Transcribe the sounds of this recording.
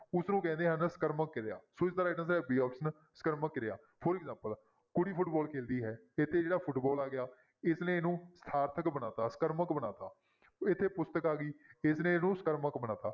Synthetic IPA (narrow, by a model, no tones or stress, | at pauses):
ʊsnũːkɛ̃ːnd̪eːɦənsə̥kəɾməkːɪɾea̰ːsoːɪst̪ɾaːɪʈə̃ns̬ɛːbiːɔːpʰsən | sə̥kəɾməkːɪɾea̰ː | pʰoɾɪkzãːmpəl | kʊɽiːpʰʊʈbɔːlkʰeːld̪iːɦɛː | ɪt̪ʰːeːd͡ʒeːɽaːpʰʊʈbɔːlaːɡɪjaː | ɪsnẽːnũːst̪ʰaːɾt̪ʰəkbənaːt̪aːsə̥kəɾməkbənaːt̪aː | ɪt̪ʰːeːpʊst̪əkaːɡiːɪsnẽːnũːsəkəɾməkbənaːt̪aː